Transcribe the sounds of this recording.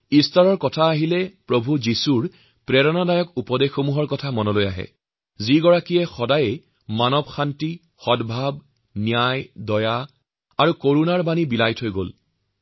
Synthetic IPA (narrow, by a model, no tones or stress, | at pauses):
istaɹɔɹkɔtʰaːɦilɛpɹobʱuzisuɹ | pɹɛɹɔnadajɔkupɔdexːomuɦɔɹkɔtʰamɔnɔlojaɦɛ̰ | ziɡɔɹakijɛxɔdaje | manɔbxanti | xɔdbʱab | nijajdɔja | aɹukoɹunaɹbanibilajtʰɦojɡo̰l